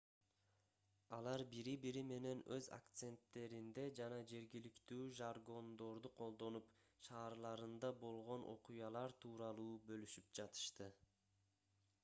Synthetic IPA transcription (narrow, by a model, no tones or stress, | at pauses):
ɑlˠɑɾbiɾibiɾime̞ne̞nø̞za̰kt̪se̞nt̪ːe̞ɾind̪e̞d͡ʒɑnɑd͡ʒe̞ɾɡilikt̪yːʒarɡo̞nd̪o̞ɾd̪uqʰo̞lˠd̪o̞nupʃɑːɾlˠɑɾɯnd̪ɑbo̞lˠʁo̞nʔo̞̰qujɑlˠɑɾt̪ʰuːɾɑlˠuːbølyʃyp̚d͡ʒɑt̪ɯ̥ʃt̪ɯ